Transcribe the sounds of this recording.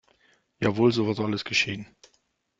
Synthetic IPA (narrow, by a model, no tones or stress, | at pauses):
jaːvoːlzoːvɐtaləsɡ̥əʃeːən